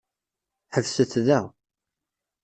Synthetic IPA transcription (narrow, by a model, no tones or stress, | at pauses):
ħəvsəθðæ